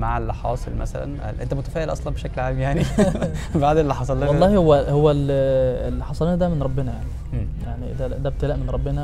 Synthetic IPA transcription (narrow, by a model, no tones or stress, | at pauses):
maʕelħɑ̰sˤelmæ̰sæ̰læ̰n̰ʔḛnt̪æmʊt̪æfæːʔelʔɑ̰sˤlɑnbeʃæklʕaːmjaʕni | baʕd̪elːiħɑsˤɑlːwɑˤːɑːhihowːæhowːælelːiħɑsˤɑlnæd̪æmenɾˤɑbːenæjaʕni | jaʕniʔd̪æd̪æbet̪ælæʔmenɾˤɑbːenæ